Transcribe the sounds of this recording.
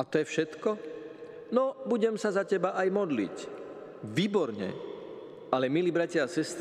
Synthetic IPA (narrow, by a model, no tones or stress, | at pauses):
at̪ɔjɛfʃɛt̪kɔ | nɔbuɟɛmsazacɛbaʔajmɔd̪lḭc | ʋiːbɔɾɲɛ̰ | ʔalɛmiliːbɾacɪaːsɛst̪